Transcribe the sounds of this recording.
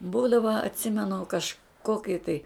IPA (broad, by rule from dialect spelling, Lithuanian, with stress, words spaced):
ˈbuːdɐʋɐ ɐtʲˈsʲɪmʲɛnʊ kɐʃˈkoːkʲɪ tɐɪ